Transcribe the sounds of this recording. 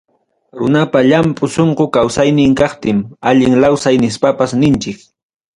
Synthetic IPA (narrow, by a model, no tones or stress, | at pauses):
ɾʊ̰napaʎampʼʊsoɴqokawsajnɪŋkɑχt̪ɪmaʎɪŋlawsajnɪspapasnɪnt͡ʃɪk